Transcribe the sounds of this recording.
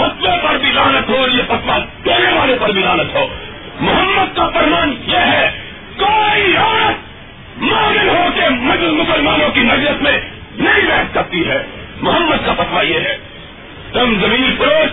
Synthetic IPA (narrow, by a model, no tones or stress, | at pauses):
pɐt̪ʰʋepɐɾbʱilaːnət̪ɦoːɾjepɐt̪ʰʋat̪eːɾeʋaːlepɐɾbʱilaːnət̪ɦoː | mʊɦəmːəd̪̚kapɐɾmaːnjeːɦɛ | koːiaːnət̪̚ | maːmɪnɦokemɐd͡ʒlmʊsəlmaːnõkimɐd͡ʒləsmẽ | nɐɦĩbɛːt̪kɐɾt̪iɦɛː | mʊɦəmːəd̪̚kapɐt̪ʰʋajeːɦɛː | t̪ʊmzɐmĩːnpɾoː